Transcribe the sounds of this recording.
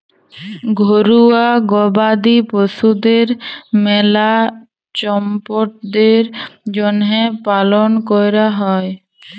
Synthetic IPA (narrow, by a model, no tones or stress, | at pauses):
ɡʱoɾuaɡɔbad̪iposud̪eɾmɛla | t͡ɕɔmpoʈ̚d̪eɾd͡ʑonɦepalonkojɾaɦɔe